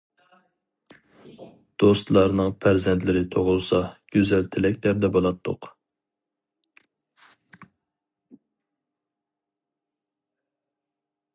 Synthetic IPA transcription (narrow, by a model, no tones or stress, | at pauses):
d̪̥ost̪lˠɑɾnɨŋpʰæɾzɛnt̪lɪɾɪt̪ʰoʁʊlˠsɑɡ̥ʲøzɛlt̪ʰɪlɛk̚ʲt̪ʰɛɾd̪ɛbolˠɑt̪ʰːʊ̰q